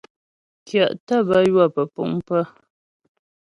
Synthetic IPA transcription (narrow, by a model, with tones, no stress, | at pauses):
kja˨ʔtə˦˨bə˦jwa˦˨pə˨pṵ˦˨ŋ˦pə˦